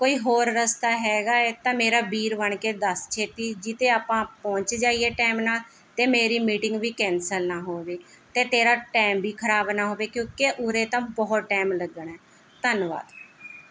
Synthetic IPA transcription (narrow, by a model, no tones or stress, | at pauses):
koːiːɦoːɾːəst̪aːɦɛːɡaːeːt̪ãːmeːɾaːbiːɾʋəɳkeːd̪əst͡ʃʰeːt̪iːd͡ʒɪt̪ẽːaːpãːpɔ̃ːɲt͡ʃd͡ʒaːieːʈɛːmnãː | t̪eːmeːɾiːmiːʈɪ̃ŋɡʋiːkɛ̃ːnsəlnaːɦoːʋeː | t̪eːt̪eːɾaːʈɛːmbiːkʰəɾaːbnaːɦoːʋeːkjõːkeʔʊɾeːt̪ãːbɔːt̪ʈɛːmləɡəɳɛː | t̪ənʋa̰ːd̪